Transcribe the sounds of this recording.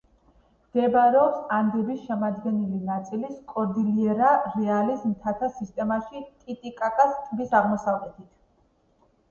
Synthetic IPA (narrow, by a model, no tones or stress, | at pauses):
md̪̥ɛbaɾɛɔpsand̪ɛbisʃɛmad̪ɡɛnilinat̪sʼiliskʼɔɾd̪iliɛɾaɾɛalizmt̪ʰat̪ʰasist̪ʼɛmaʃit̪ʼit̪ʼikʼakʼast̪ʼbisaʁmɔsaʁɛt̪ʰit̪ʰ